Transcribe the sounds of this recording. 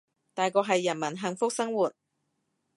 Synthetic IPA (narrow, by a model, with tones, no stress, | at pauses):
t̪aː˨jkɔː˧kɦɐ˨jːɐ˨˩nmɐ˨˩nɦɐ˨˩ŋfʊ˥k̚sɐ˥ŋwuː˨t̚